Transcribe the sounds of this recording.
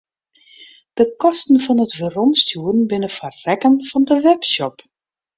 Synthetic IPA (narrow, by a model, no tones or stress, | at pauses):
d̥əkɔstn̩fɔnətvərɔnstjuənbɪnəfərɛkənv̥ɔndəʋɛpsɔp